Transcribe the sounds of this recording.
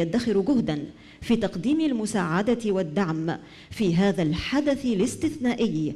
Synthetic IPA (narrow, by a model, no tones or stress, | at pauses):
ad̪ːaxɪɾɡʊhd̪an | fiːt̪ɑqd̪iːmɪlmʊsaːʕad̪at̪ɪwad̪ːaʕm | fiːɦaːðalħad̪aθlɪst̪ɪθnaːʔɪjː